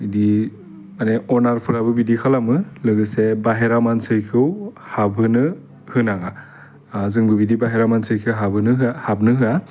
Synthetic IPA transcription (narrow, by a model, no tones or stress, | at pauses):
ɯdi | maneɔnaɾpʰɯɾabɯbidikʰalamɯlɯɡɯsebaɦeɾamansɯjkʰɯwhabʱɯnɯ | hɯnaŋa | zɯŋbɯbidibaɦeɾamansɯjkʰɯwɦabʱɯnɯɦɯahab̚nɯɦɯa